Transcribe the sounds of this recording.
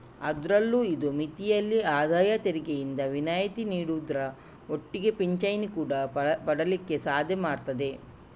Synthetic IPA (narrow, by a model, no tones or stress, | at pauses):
ɐd̪ɾɐlːuid̪umit̪ijɐlːiaːd̪aːjɐt̪eɾiɡejind̪ɐʋinaːjɐt̪iniːɽud̪ɾɐ | o̞ʈːiɡe̞piɲt͡ʃɐjnikuːɽɐpɐɽɐlikːe̞saːd̪ʱjɐmaːɽt̪ɐd̪e̞